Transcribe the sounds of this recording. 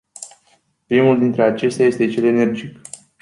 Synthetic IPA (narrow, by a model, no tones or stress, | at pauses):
pɾimuld̪int̪ɾe̞at͡ʃe̞st̪eaje̞st̪e̞t͡ʃe̞le̞ne̞rd͡ʒik